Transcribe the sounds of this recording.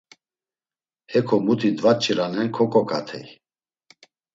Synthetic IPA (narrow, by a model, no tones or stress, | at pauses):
hɛkʰɔmut̪ʰid̪vat͡ʃʰʼiɾanɛnkʰɔkʼɔkʼa̰t̪ʰɛ̰j